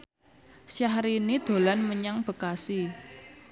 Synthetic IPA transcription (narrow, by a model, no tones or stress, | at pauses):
ʃjaɦɾinid̪̥o̤lanməɲaŋb̥ə̤kasi